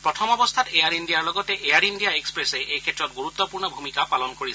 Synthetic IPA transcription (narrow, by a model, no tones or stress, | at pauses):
pɾɔtʰɔmɔbɔst̪ʰatejaɾinɖijaɹlɔɡɔteʔejaɾinɖijaekspɾeseʔejkʰetːɹɔt̚ɡuɾut̪ːɔpuɹɳnɔbʱumikapalɔnkoɹi